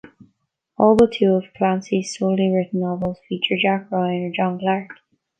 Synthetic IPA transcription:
ɔːlˠðətʰuːəv̥kʰl̥ãnsiz̥soʊlˠiɹɪtn̩ːɔvəlˠz̥fiˑt͡ʃə˞d͡ʒakɹoɪə̃nəd͡ʒɒ̃nɡlaɹk

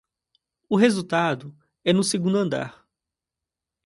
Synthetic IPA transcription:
ʊɦezut̪ad̪ʊ | ɛnʊseɡũnd̪ʊɐ̃nd̪a̰ɾ

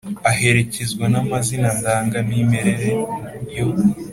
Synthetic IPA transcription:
ahe̞ɾe̞cezɡwanamazinandaːŋɡaniːmeɾeɾeuɾjo̞

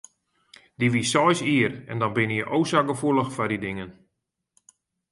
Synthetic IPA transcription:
d̥iʋisɔjsiərɛndɔnbɪnjəʔowsaɡəfulˠəxfadidɪŋən

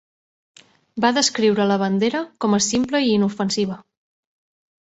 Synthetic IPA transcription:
baðəskɾiwɾələβ̞ənd̪eɾəkɔməsimpləiiːnufənsiβ̞ə

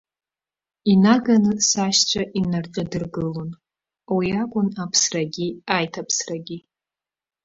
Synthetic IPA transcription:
inaɡanɨsaʃt͡ɕʷʰaʔinarʈ͡ʂʼadɨrɡɨlon | awiakʷʼʊnapʰsraɡʲiajtʰapʰsraɡʲi

